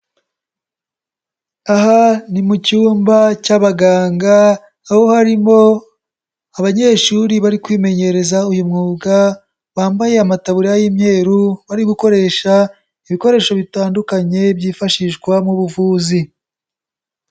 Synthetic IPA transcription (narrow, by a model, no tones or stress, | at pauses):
aɦanimucuːmbacaβaɡaːŋɡaː | ho̞haɾimo̞ | aβaɲe̞ːʃuɾiβaɾikwiːme̞ɲe̞ɾe̞zaujumŋuːɡa | βaːmbaje̞amataβuɾiajimɲe̞ːɾuβaɾiɡuko̞ɾe̞ːʃa | iβiko̞ɾe̞ːʃo̞βitaːndukaɲe̞bjiːfaʃiʃɡwamuβuvuːzi